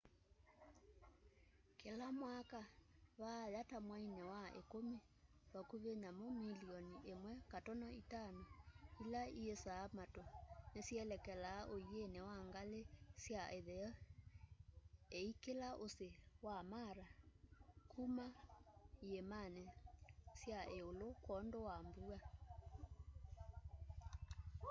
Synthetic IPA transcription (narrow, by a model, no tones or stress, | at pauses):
kelamwakaβajatamwainɛwaḛkome | βakuβenamomiliɔniʔemwɛkatɔnaitanoilaiesaːmatɔnesjɛlɛkɛlaːʔoienɛwaŋɡalesjaʔeðɛɔ | eikelaʔosewamaɾa | kʰumaiemanesjaʔeolokwɔndowambua